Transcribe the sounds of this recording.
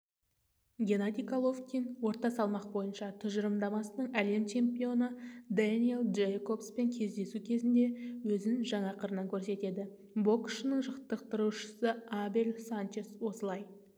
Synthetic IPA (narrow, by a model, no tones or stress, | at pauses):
ɡʲe̞nad̪ʲijkʰalˠo̞fkʲijnwo̞ɾt̪ɑsɑlˠmɑq̚bo̞jənʃɑt̪ʰʏʒəɾəmd̪ɑmɑsənəɴæle̞mt͡ʃʰe̞mpʲio̞nəd̪anʲielˠdʒejko̞pspe̞ŋkʲʰe̞zd̪e̞sukʲʰe̞zɪnd̪e̞wɵzɪnʒɑɴɑqʰəɾənɑŋkʲʰɵɾse̞t̪e̞d̪ɪ | bo̞kʃnəɴʒəqt̪əq̚t̪əɾuʃə̥səabelʲsant͡ʃe̞swo̞səlˠɑj